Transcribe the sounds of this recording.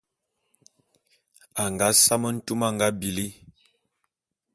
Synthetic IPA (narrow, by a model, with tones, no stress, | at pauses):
a˨ŋɡa˨˦sa˦mə˦n̩˦tu˦ma˦˨ŋɡa˦bi˨li˦